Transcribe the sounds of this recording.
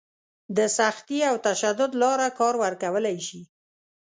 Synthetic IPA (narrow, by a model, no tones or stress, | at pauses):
d̪əsaxt̪iawt̪aʃad̪ʊd̪lɑɾakɑɾwəɾkawəlajʃi